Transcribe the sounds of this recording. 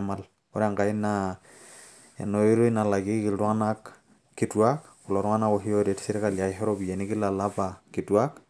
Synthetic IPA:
mal | ɔ˦ɾa˨ŋka˨ina | a̰˨nːɔ˨i˦ɾo˦ina˨la˨ɡi˦ki˨ldɔ˦ŋa˦nak | kːi˦tuakku˨lɔ˨ɾɔ˦ŋa˦na˦kɔɦi˦ɔdɛtsi˦ɾkalja˨ɦɛ˦ɾɔbi˨ja˨niki˦lalapakituak

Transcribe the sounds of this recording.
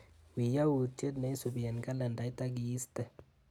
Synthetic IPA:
wi˨ja˦u˨tje˦dna˨i˦su˨bi˨ɛ˨nka˦la˨nda˨i˦ta˦ɡiː˨˦stɛ˨

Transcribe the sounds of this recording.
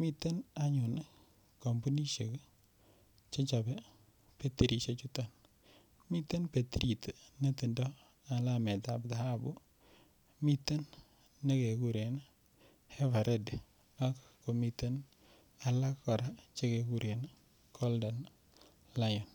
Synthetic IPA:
mi˦tːe˦na˦ɲʊ˨na˦ | ko˨mbu˦ni˦ʃe˨k | t͡ʃe˦t͡ʃa˨be˦ | pe˦te˨ɾi˨ʃe˦t͡ʃu˦ta˨n | mi˦tːe˦npe˨t̪i˦ɾi˨tna˦ti˨ndɔ˦ | a˨la˦mɛ˨ta˨bda˨ha˦bu˦ | mi˦t̪ːe˦nː | e˦ke˨ku˦ɾe˨n˦ | hɛ˦va˨ɾe˦d | a˦kko˨mi˨te˦n | a˨la˦kkɔ˨ɾa˦t͡ʃe˦ke˨ku˦ɾe˨n˦ | kʰɔ˦ldɔ˨n | la˦jɔ˨n

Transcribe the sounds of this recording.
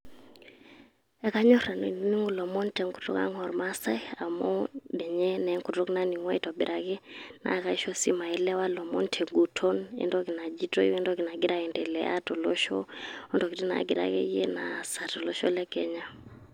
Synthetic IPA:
ɛ˨ka˦ɲɔ˦ɾa˨no̰˨˦ni˦ŋɡu˦˨lɔ˨mɔ˦ntɛ˨ŋku̥˨tɔ̰˦ka̰˦ŋɔ˨ɾma˦sa˦a˨mɔ˦ɗɛ˨ɲɛ˦nɛ˨˦ŋku˨tɔ˦kna˦ni˨ŋwa˦i˨tɔ˨bi˨ɾʔakɛ˦na̰˨ka˦i˦ʃɔ˦si˦ma˨ɛ˨lɛ˦wa˦lɔ˨mɔ˦ntʰɛ˨ŋɡu˨tʰɔ˦nɛ̰˦ndɔ˦ki˨na˨d͡ʒi˦tɔ˦i˦wɛ˦ndɔ˦ki˨na˨ɡi˦ɾa˦kɛ˨ndɛ˨lɛ̰˨ʔa˦tɔ˨lɔ˦ʃɔ̰˦ɔ˦ndɔ˨ki˨ti˦na̰˨ɡi˨ɾa̰kɛ̰˦jɛ˦na̰˨sa˨tɔ˨lɔ˦ʃɔ˦lɛ˦kɛ˦ɲa˦

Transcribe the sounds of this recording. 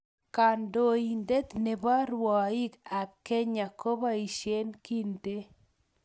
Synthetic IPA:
ka˨ndo˦˨i˨nde˦t̪ne˨ba˦ɾwɔ˨i˦ka˨t̚ke˦ɲa˨ko˦ba˦i˨ʃje˦nki˦nte˦

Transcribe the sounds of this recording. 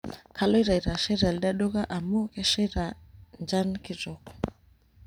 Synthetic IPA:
kʰa˨lɔ˦i˦ɾa˨i˨ɾa˨ʃɛ˦ɾa˨lɗa˦ɗɔ˦ɣa˦ʔa˨mu˦kɛ˦ʃɛ˦ɾa˨nd͡ʒa˦nki˦zɔ˨kɔ̥

